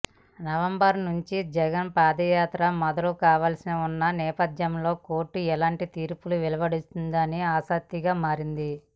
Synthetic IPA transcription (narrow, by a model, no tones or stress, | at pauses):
nɐʋɐmbɐɾnuɲt͡ʃid͡ʒɛɡɐnpaːd̪ɐjaːt̪ɾɐmɔd̪ɐlukaːʋaːlsinɐunːɐnɛːpɐd̪jɐmlo̞ːko̞ːɾʈːuɛlaːɳʈit̪iːɾpuluʋɛlɐʋɐɽist̪und̪ɐniaːsɐk̚t̪iɡaːmaːɾind̪i